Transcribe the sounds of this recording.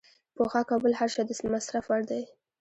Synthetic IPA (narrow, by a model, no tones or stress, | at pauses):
poxɑkɑbʊlhaɾʃɑd̪əsmasɾafwaɽd̪aj